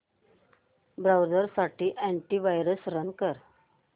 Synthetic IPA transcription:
bɾawd͡zəɾsaʈiːʔæ̃ɳʈiːʋajɾəsɾənkəɾ

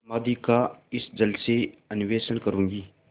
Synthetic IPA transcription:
maːd̪ikaɪsd͡ʒəlseənɪʋeːsənkəɾũːŋɡiː

